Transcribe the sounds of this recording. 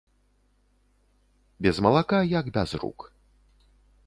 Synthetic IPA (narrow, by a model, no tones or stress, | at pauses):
bʲɛzmɐlˠakajaɡbʲazrṵk